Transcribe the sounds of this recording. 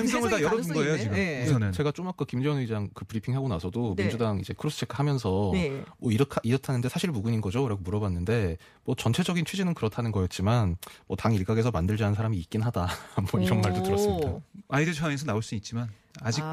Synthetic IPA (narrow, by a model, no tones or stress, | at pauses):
ensʌŋɯɭtajʌɾʌunɡʌejot͡ɕiɡɯnet͡ɕe̞ɡat͡ɕ͈omak͈ɯkimd͡ʑʌɯnid͡ʑaŋkɯpɯɾipʰiŋɦaɡonasʰʌdomind͡ʑudaŋid͡ʑe̞kʰɯɾosʰɯ̥t͡ɕʰekʰɯhamjʌnsʰʌmwʌiɾʌkʰiɾʌtʰanɯnde̞sʰaɕʰiɭmuɡuɲinɡʌd͡ʑoɾaɡomuɾʌbanːɯnde̞ | mwʌt͡ɕʌnt͡ɕʰe̞d͡ʑʌɡint͡ɕʰɥid͡ʑinɯnkɯɾʌtʰanɯnɡʌjʌt̚t͡ɕ͈imanmwʌtaŋiɭk͈aɡe̞s̬ʰʌmandɯɭd͡ʑanɯnsʰaɾamiːt̚k͈inɦadamwʌiɾʌnmaɭdotɯɾʌsɯmidaaidet͡ɕʰaesʰʌnaoɭs͈uit̚t͡ɕ͈iman | ad͡ʑik̚